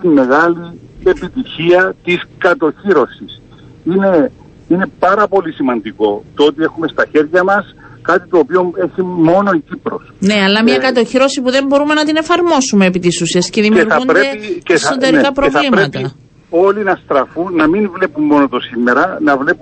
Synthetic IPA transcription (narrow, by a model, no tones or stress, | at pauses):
t̪imːe̞ɣɐlie̞pit̪içiɐt̪iskɐt̪o̞çiɾo̞sis | ine̞ | ine̞pɐɾɐpo̞lisimɐnd̪iko̞t̪oot̪ie̞xume̞st̪ɐçe̞ɾʝɐmɐs | kɐt̪it̪oːpio̞e̞çimo̞no̞icipɾo̞̰sne̞ɐlːɐmɲɐkɐt̪o̞çiɾo̞sipuðe̞mbo̞ɾume̞nɐt̪ine̞fɐɾmo̞sume̞ːpit̪isusiesceðimeɐunɾeieod̪eɾkɐpɾovɐliɾet̪ɐi | o̞linɐst̪ɾɐfunːɐminvle̞pumːo̞not̪o̞simːe̞ɾɐnɐvle̞pu